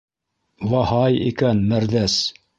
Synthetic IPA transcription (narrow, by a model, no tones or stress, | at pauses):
wɑhɑjḭkænmæɾðæs